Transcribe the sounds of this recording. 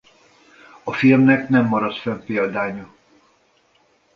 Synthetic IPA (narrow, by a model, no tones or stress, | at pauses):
ɒfilmnɛknɛmːɒɾɒt̪fɛmpeːld̪aːɲɒ